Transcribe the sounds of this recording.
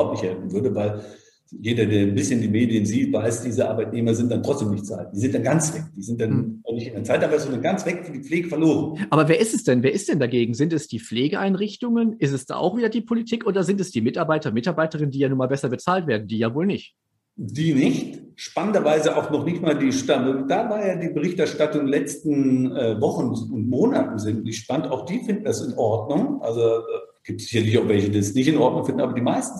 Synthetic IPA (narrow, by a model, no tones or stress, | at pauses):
aʊp̚tnɪçhɛlfn̩vʏɐdəvaɪl | jeːdɐdeːɐnbɪsçəndiːmeːdijənziːtvaɪsd̥iːzəʔa̰ɐbaɪtneːmɐzɪnt̚d̥antʁ̥ɔt͡sd̥eːmnɪçtt͡sa̰ɪt̚d̥iːzɪnt̚d̥anɡant͡sv̥ɛk̚d̥iːzɪnt̚d̥annɪçtɪndɛɐt͡saɪtaːbazondanɡant͡sv̥ɛkfyːɐdiːp͡fleːɡəfɛɐloːʁənʔʔaːbɐveːɐɪstɛsd̥ɛnveːɐʔɪstd̥ɛndaɡeːɡŋ̩zɪntɛsd̥iːp͡fleːɡəʔaɪnʁɪçtʊŋənʔɪstɛsd̥a̰ːʔa̰ʊxv̥iːdɐdiːpʰolitʰiːkʔoːdɐzɪntɛsd̥iːmɪtaɐbaɪtɐmɪtaɐbaɪtəʁɪnəndiːjaːnuːɐmaːlbɛsɐbət͡saːltv̥eːɐdn̩diːjaːvoːlnɪçt | d̥iːnɪçtʃpanəndɐvaɪzəʔaʊxnɔχnɪçtmaːldiːʃtanʊnd̥aːvaːɐjaːdiːbəʁɪçtɛɐʃtatʊŋlɛt͡stn̩ɛvɔχn̩ʊntmoːnatn̩zɪntniʃpanəntaʊxd̥iːfɪndn̩dasɪnʔɔɐdnʊŋʔa̰lzodaː | ɡ̥iːp̚tz̥ɪçɐlɪçaʊxv̥ɛlçədiːdɛsnɪçtɪnʔɔɐtnʊŋfɪndn̩aːbɐdiːmaɪstn̩